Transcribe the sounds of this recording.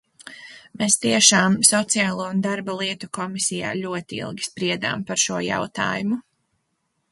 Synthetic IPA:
mest̪iɛʃaːmsɔt̪sijaːlˠuɔund̪aɾbalˠiɛt̪ukɔmisija̰ːlʲuɔt̪iḭlˠɡʲi̥spɾiɛd̪a̰ːmpaɾʃuɔja̰wt̪a̰ːjumu

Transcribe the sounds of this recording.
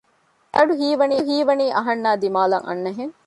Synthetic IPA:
ʔɐɖuɦiːʋɐniːɦiːʋɐniːʔɐɦɐnːaːd̪imaːlɐŋʔɐ̰nːɐɦeŋ

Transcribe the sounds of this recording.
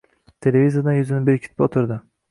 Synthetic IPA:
t̪ʰe̞levizijad̪anjʊzɪnɪbɪɾɪkʲʰi̥t̪̚ʰɪ̥pot̪ʰʊɾd̪ɪ

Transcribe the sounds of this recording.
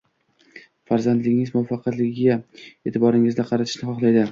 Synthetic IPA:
faɾzand̪lɪɡʲɪŋɪzmʊafɑqʰɑt̪lɪɡʲɪɡʲae̞t̪ʰɪbɒɾɪŋɪzd̪aqʰɑɾat̪ʰɪʃnɪχɒχlˠajd̪ɪ

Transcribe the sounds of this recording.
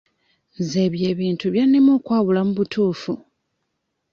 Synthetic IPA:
nze̞βje̞ːβiːntuβjanːemokwaːβulamuβutʰuːfu

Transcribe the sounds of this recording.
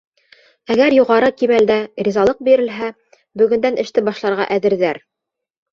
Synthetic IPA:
æɡæɾjuʁɑɾɤkimæld̪ærʲizɑlˠɤq̚biɾɘ̆lɦæ | bɵ̆ɡɵ̆nd̪ænʔɘ̆ʃt̪ɘbɑʃlˠɑɾʁɑ̰ʔæðɘ̆ɾðæɾ

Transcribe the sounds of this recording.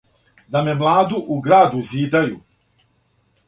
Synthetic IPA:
d̪amemlˠaːd̪uʔuɡɾaːd̪uziːd̪aju

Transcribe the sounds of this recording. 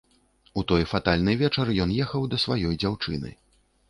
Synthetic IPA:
ut̪ɔjfat̪alʲnɨjvʲɛt͡ʂɐɾjɔnjɛxɐwd̪ɐsvajɔjd͡zʲawt͡ʂɨ̰nɨ̰

